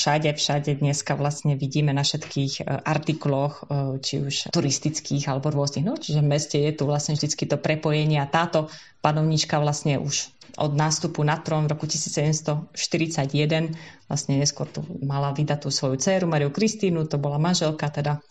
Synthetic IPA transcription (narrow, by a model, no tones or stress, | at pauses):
ʃaɟɛfʃaɟɛd̪ɲɛskaʋlasɲɛʋiɟiːmɛnafʃɛt̪kiːxʔaɾt̪iklɔxt͡ʃiuʃt̪uɾist̪it͡skiːɣalɛbɔɾʊɔzniɣnɔt͡ʃiʒɛvmɛscɛjɛt̪uʋlasɲɛvʒd̪it͡skit̪ɔpɾɛpɔjɛɲɪɛat̪aːt̪ɔ | panɔʊɲit͡ʃkaʋlasɲɛʔuʃ | ʔɔ̰d̪naːst̪upunat̪ɾɔnvɾɔkucisiːt͡ssɛɟɛmst̪ɔʃt̪iɾit͡saɟjɛd̪ɛnʋla̰sɲɛɲɛskʊɔ̰ɾt̪ṵmalaʋid̪at̪ːuːsʋɔjut͡sɛːɾumaɾiukɾist̪iːnut̪ɔbɔlamanʒɛlkat̪ɛd̪a